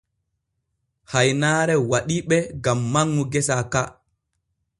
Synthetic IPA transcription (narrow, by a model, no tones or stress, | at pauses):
hajnaːɾɛwaɗiɓɛɡamːaŋːuɡɛsaka